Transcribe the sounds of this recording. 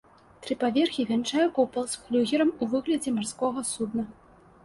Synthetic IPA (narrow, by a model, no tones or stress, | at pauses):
t̪ɾɨpavʲɛrxʲivʲɛnt͡ʂajɛkɔpɐlˠsflʲuɣʲɛɾɐmuvɨɣlʲɐd͡zʲɛmarskɔɣɐsud̪nɐ